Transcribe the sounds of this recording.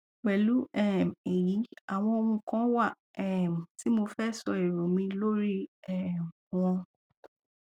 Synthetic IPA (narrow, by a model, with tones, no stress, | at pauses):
ɡ͡bɛ˨lu˨˦ʔɛ˦˨mɛ˨ji˨˦a˨w̃ɔ̃˧o˧ũ˧kã˦wa˦˨ | ɛ˨m˨ti˨˦mo˧fɛ˦˨sɔ˧e˨ɾo˨˦mĩ˧lo˦ɾi˦ɛ˦˨m | wɔ̃˧